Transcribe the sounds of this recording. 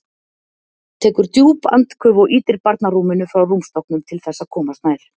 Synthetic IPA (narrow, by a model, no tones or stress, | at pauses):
t̪ʰɛːkʏɾt̪juːpa̰nt̪kʰʏvɔʔiːt̪ɪɾpaɾt̪naɾuːmɪnʏfɾawrumst̪ɔhknʏnt̪ʰɪlθɛsːakʰɔːmast̪maːjɾ̥